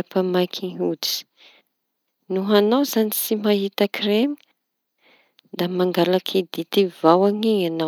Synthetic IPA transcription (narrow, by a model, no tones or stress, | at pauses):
apamajkʰiŋut͡si̥ | nuɦanawzanisimaɦit̪akʰremi | d̪amaŋɡalakʰid̪it̪ivawaŋiɲana